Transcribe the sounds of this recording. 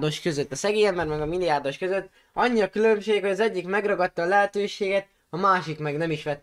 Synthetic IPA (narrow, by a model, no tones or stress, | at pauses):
d̪o̞ʃkø̞zøt̪ːɒsɛɡeːjɛmbɛɾmɛɡɒmilːijaːrd̪o̞ʃkø̞zøt̪ː | ɒɲːiɒkylømʃeːkho̞ɟɒzɛɟːikmɛɡrɒɡɒt̪ːɒːlɛɦɛt̪øːʃeːɡɛt̪ | ɒmaːʃikmɛɡnɛmiʃʋɛt̪ː